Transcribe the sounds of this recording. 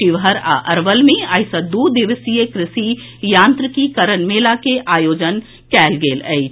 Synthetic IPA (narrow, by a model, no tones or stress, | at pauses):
iʋɦəɾa̰ʔɐɾʋəlmĩɐjsɐd̪uːd̪ɪʋəsijekɾɪsi | jãːnt̪ɾəkikɐɾənmeːlakeʔaːjoːd͡ʒən | kɛːlɡeːlə̰i